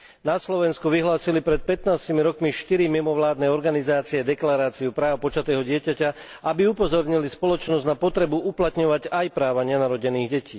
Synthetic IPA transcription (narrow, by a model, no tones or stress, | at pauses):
naslɔʋɛnskuʋiɦlaːsilipɾɛt̪̚pɛt̪naːscimiɾɔkmiʃt̪iɾimimɔʋlaːd̪nɛɔɾɡanizaːt͡siɛd̪ɛklaɾaːt͡siupɾaːʊpɔt͡ʃat̪ɛːɦɔɟɪɛcaca | abiupɔzɔɾɲilispɔlɔt͡ʃnɔzɟnapɔt̪ɾɛbuuplat̪ɲɔʋaɟajpɾaːʋaɲɪɛnaɾɔɟɛniːɣɟɛciː